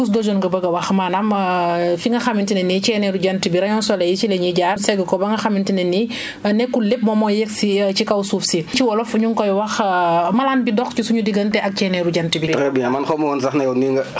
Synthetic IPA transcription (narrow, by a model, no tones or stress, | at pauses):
kus̬dod͡ʒonɡɐbɐɡɐwɐxmanamfiŋɡɐxamintinɛnit͡ʃɛnɛɾuɟantibiɾaɲɔnsɔlɛjit͡ʃilɛɲiɟaːrsɛɡɐkɔbɐŋɡɐxamintinɛni | nɛkːulep̚mɔmɔjɛksit͡ʃikawsufsit͡ʃiwɔlɔfɲuŋkɔjwɐxmalaːnbidɔxt͡ʃusuɲudiɡɐntɛʔak̚cɛːnɛɾuɟantibitkɛbiɲamanxomuwɔnsaxnɐjɛwniŋɡɐ